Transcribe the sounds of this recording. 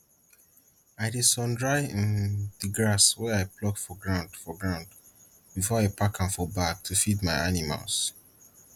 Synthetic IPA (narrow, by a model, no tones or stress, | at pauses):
aɪdesɔ̃ndɹaɪĩnðiɡɹaswɛaɪplɔkfɔɡɹãʊ̃ndfɔɡɹãʊ̃nd | b̥ifɔaɪpakʰãnfɔbak̚tʰufidmaɪanima̰ls